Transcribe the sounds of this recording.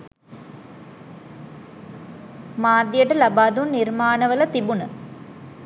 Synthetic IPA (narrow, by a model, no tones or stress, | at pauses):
maːd̪jəʈɐlɐbaːd̪unːirmaːnɐʋəlɐt̪ibunə